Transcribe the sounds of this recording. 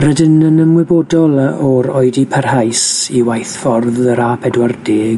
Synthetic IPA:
rədɪnənəmwɪboːdɔlˠɔɾoɨdipʰərhajsiwajθfɔrðəɾaːpʰɛdwardɪːɡ

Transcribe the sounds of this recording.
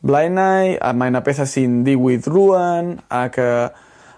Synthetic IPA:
blajnaja̰majnapeθasind̪iwiðɾuənakə

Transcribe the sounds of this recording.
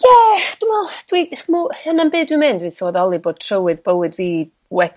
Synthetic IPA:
jɛd̥ʊmɔd̥wimuhənanbeːdwɪmeːndwisoːɔðɔlˠɨboːd̥̚tʰrəwɨðbəwɨdviː | wɛ

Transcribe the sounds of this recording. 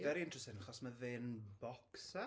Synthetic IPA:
ɛɾiɪntr̥əstɪnaχɔsməvɪːnbɔksa

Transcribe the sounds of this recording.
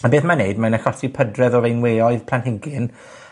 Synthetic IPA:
abeːθmaneɨdmanəxɔsipʰədrɛðɔvejnweːɔɨðpʰl̥ˠanhɪɡɪn

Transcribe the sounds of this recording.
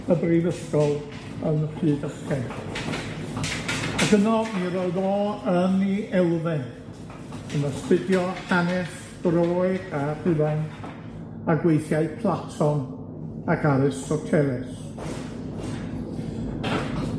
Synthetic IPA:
əbrivəskɔlˠ | ənəfɨːdəskɛ | aɡənɔmiɾɔɨðɔəniʔɛlˠvɪn | ənəstɪdjɔhanɛs | b̥roɔːjɡ̥ar̥ɨvɛn | aɡwejθjajpʰlˠatʰɔn | akʰaɾɨstɔtʰɛɾɛs

